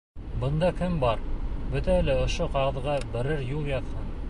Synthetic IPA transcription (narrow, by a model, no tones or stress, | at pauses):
bɤ̆nd̪ɑkɘmbɑɾbɵt̪æælɘŏʃoqɑʁɤ̆ðʁɑbɘ̆ɾɘɾjulˠjɑðhɤn